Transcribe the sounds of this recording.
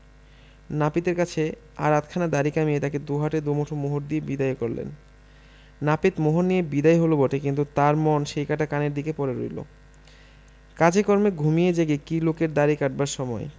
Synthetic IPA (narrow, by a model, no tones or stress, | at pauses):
napit̪eɾkat͡ɕʰe | a̰ɾat̪kʰanad̪aɾikamijet̪aked̪uɦaʈed̪umoʈʰomoɦoɾd̪iebid̪ajokoɾlḛnː | apit̪moɦoɾnːijebid̪ajɦolobɔʈekint̪ut̪aɾmɔnʃejkaʈakaneɾd̪ikepɔɾeɾo̰jlo̰ | kad͡ʑekɔɾmeɡʱumied͡ʑaɡekilokeɾd̪aɾikaʈ̚baɾʃɔmɔe